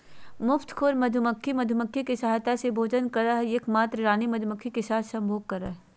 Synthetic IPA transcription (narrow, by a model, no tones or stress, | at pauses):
mʊft̪ʰkʰoːɾmɐd̪ʱʊməkʰːimɐd̪ʱʊməkʰːikisaɦjt̪asebʱoːd͡ʒənkɐɾaɦeːkmaːt̪ɾɾaːnimɐd̪ʱʊməkʰːikesaːt̪ʰsɐ̃mbʱoːɡ̚kɐɾəɦɛ